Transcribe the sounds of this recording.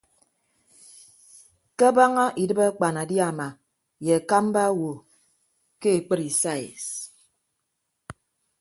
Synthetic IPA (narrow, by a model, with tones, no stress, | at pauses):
ke˦ba˦ŋa˦ʔi˨dɨ˦ba˦k͡pa˨na˨dja˨ma˨ | je˨a˨ka˦m˦ba˦wo˨ | ke˦e˨k͡pɨ˦ɾi˨sa˦˨ḭ˨s